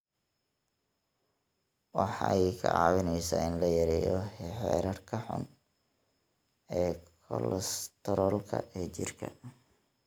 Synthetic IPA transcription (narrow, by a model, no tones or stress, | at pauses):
wɑħɑjkʰɐʕɑwɪnɛjsaːɪnlɐjɐɾɛjɔħɛ̰ːɾɐrkʰɐħʊ̰n | ɛːkʰɔlɛst̪ʰɛɾɔlkʰɐ̰ʔɛːt͡ʃɪrkʰɐ